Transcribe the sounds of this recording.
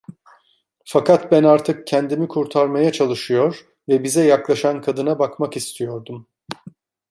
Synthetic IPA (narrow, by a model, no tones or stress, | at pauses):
fakʰat̪bænaɾt̪ʰɯk̚cʰɛnd̪imikʰuɾt̪ʰaɾmajat͡ʃʰalˠɯʃɯjo̞ɾ | vɛbizɛjaklˠaʃankʰad̪ɯnabakmakist̪ʰijo̞ɾd̪um